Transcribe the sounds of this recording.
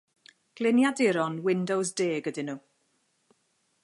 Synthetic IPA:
ɡ̥lɪnjadɪɾɔnwɪndɔwsdeːɡədɪnuː

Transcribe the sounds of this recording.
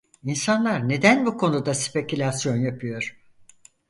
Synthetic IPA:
insanlˠaɾne̞d̪ænbukʰo̞nud̪aspʰe̞cʰilʲasjo̞njapʰɯjo̞ɾ̥

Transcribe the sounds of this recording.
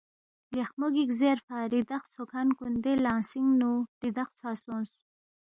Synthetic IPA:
jexmoɡikzeɾfaɾid̪aχt͡sʰokʰankund̪elaːnsiŋɡnuɾid̪aχt͡sʰwasunsu

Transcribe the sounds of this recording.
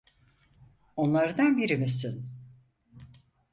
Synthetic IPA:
o̞nlˠaɾɯd̪anbiɾimis̬in

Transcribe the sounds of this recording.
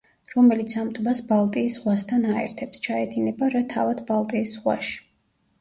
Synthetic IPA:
ɾɔmɛlit̪sʰamt̪ʼbasbalˠt̪ʼiːszʁwast̪ʰanaɛ̰ɾt̪ʰɛpst͡ʃʰaɛd̪inɛbaɾat̪ʰa̰vad̪̥balˠt̪ʼiːszʁwa̰ʃi̥

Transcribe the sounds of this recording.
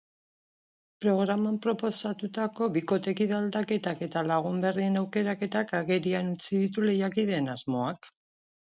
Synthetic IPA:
pɾo̞ɣ̞ɾamampɾo̞po̞sat̪ut̪ako̞βiko̞t̪e̞kiðald̪ake̞t̪ake̞t̪alaɣ̞umbe̞rie̞nawke̞ɾake̞t̪akaɣe̞ɾianut͡siðit̪ule̞jakið̞e̞nazmo̞ak

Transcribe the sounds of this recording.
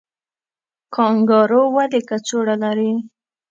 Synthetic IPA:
kʰɑŋɡɑɾowad̪ekat͡soɽalaɾi

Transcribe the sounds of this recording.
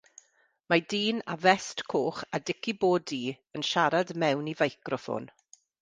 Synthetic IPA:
madiːna̰vɛstkʰoːχadɪkʰiboːdiː | ənʃaɾadmɛwnivajkrɔfo̰ːn

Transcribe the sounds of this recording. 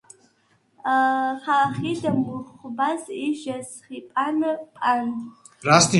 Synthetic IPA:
χaχiːɮɐmʊχʷʊbaziʒɐsχipʼanɨpʼan | rastʰi

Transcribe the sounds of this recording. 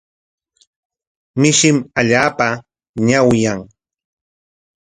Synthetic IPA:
mɪʃɪmaʎaːpa | ɲawjaŋ

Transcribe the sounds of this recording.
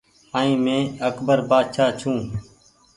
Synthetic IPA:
aːĩːmẽːəkbəɾbaːd̪ʃaːt͡ʃʰũː

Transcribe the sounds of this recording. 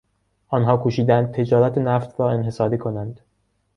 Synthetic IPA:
ʔɒːnɦɒːkʰuːʃiːd̪ænd̪̚t̪ʰe̞d͡ʒɒːɾæt̪ʰenæft̪ɾɒːe̞nɦe̞sɒːɾiːkʰo̞nænd̪̥

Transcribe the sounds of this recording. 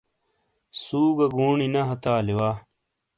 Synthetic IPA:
suːɡɐɡuːɳinɐɦɐt̪aːliwaː

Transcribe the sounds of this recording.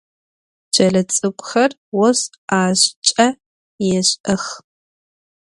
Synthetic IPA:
d͡ʒ̥ɐɮɐt͡sʼɨkʷʼʊxɐr | wɔs | aːɕt͡ʃʼɐ | jɛɕʔɐx

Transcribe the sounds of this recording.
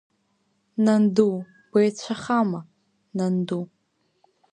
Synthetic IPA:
nandu | ɡ̥ʷejt͡ɕʷʰaχama | nandu

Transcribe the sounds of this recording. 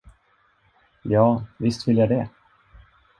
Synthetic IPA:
jɑːvɪst̪vɪljad̪ɛ

